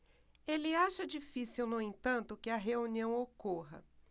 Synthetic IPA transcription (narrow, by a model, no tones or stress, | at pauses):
elɪaʃɐd͡ʒifisiwnoẽt̪ɐ̃nt̪ʊkɪɐɦeuniɐ̃w̃okoɦɐ̰